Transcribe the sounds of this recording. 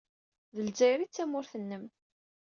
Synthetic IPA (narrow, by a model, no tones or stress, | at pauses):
ðəlzæjɾit͡sːæmʊɾθənːəm